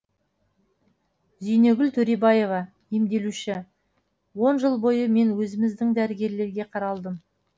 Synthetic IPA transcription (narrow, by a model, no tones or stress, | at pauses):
zijne̞ɡʲɪlt̪ʰɵɾebɑje̞vɑ | imd̪e̞luʃɪ | wo̞nʒəlˠbo̞jəme̞nwɵzɪmɪzd̪ɪŋd̪æɾɪɡʲe̞ɾle̞ɾɡʲe̞qʰɑɾɑlˠd̪əm